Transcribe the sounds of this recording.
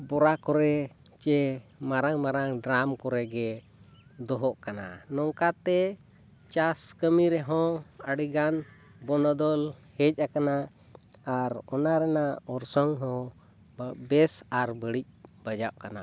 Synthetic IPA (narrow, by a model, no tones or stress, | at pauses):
bɔɾakɔɾɛt͡ʃɛmaɾaŋmaɾaŋɖɾamkɔɾɛɡɛ | d̪ɔɦɔʔkana̰nɔŋkat̪ɛ | t͡ʃaskəmiɾɛɦɔ̃əɽiɡan | bɔnɔd̪ɔlhɛc̚ˀakana | aɾɔnaɾɛnaɔɾsɔŋɦɔ̃ | bɛsaɾbəɽic̚bəd͡ʒaʔ̚kana